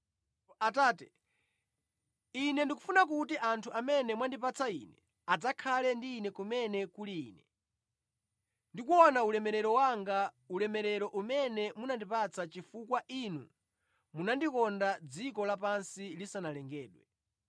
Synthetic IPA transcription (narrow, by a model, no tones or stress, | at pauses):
ataːtɛ̥ | inɛndikufunak̬utiʔantʰuʔamɛnɛmwandipat͡sʰaḭnɛ | ad͡zakʰalɛndiːnɛkumɛnɛkuliːnɛ | ndikuɔnaulɛmɛɾɛɾɔwaŋɡa | ulɛmɛɾɛɾɔʔumɛnɛmunandipat͡sʰat͡ʃifukwaʔinṵ | munandikɔndad͡zikɔlapansilisanalɛŋɡɛːɗwɛ